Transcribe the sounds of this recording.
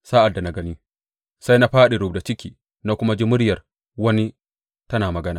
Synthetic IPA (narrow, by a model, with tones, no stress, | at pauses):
saː˦ʔa˨dːa˨na˨ɡɐ˦ni˦ | sa˦jna˦ɸaː˦ɗi˨ɾʊ˨b̚da˨t͡ʃɪ˦kʲiː˨ | na˦kʷʊ˦ma˦d͡ʒi˦mʊ˦ɽjɐ˨r | wɐ˦ni˦ | tɐ˦naː˨mɐ˨ɡɐ˦naː˨